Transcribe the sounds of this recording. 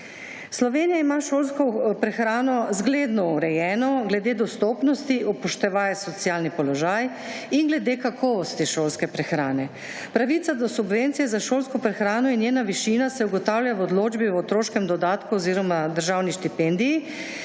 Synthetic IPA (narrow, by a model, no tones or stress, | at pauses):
slɔʋeːnijaimaʃoːlskɔpɾɛxɾaːnɔzɡleːd̪nɔuɾɛjɛːnɔɡlɛd̪eːd̪ɔst̪oːpnɔst̪iʔɔpɔʃt̪ɛʋaːjɛsɔt̪sjalnipɔlɔʒaj | inɡlɛd̪eːkakʰɔːʋɔst̪iʃoːlskɛpɾɛxɾaːnɛ | pɾaʋit̪sad̪ɔsubʋent̪sijɛzaʃoːlskɔpɾɛxɾaːnɔinjeːnaʋiʃinasɛuɡɔt̪awljawɔd̪loːd͡ʒbiwɔt̪ɾoːʃkɛmd̪ɔd̪aːt̪kuɔziːɾɔmad̪əɾʒawniʃt̪ipɛnd̪iji